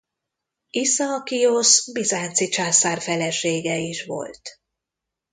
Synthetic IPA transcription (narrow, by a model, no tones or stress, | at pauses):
isɒːkijosbizaːnt̪sit͡ʃaːsaːrfɛlɛʃeːɡɛiʃʋo̞̰lt̪